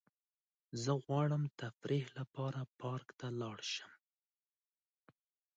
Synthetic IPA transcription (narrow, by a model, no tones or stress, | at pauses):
zəɣwɑɽəmt̪afɾihlapɑɾapɑɾkt̪alɑɽʃəm